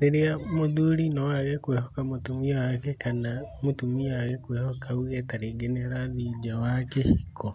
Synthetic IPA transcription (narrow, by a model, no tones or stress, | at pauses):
neɾiamoðuɾinoaɣekwehokamutumiwakekanamutumiwaɣekweːhokauɣetaɾeɡeneɾaβid͡ʒawakehikʰo